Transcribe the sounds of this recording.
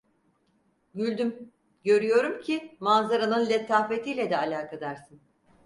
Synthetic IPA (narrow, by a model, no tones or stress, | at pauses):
ɟylʲd̪ym | ɟø̞ɾyjo̞ɾumcʰimanzaɾanɯnlʲet̪ʰːaːfet̪ʰijːlʲɛd̪ɛalʲaːkʰad̪aɾsɯn